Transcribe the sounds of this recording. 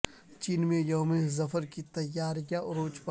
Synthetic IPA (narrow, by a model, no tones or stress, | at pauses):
t͡ʃiːnmẽjoːmẽzɐfəɾkit̪ɐjːaːɾijaʔɾoːt͡ʃpa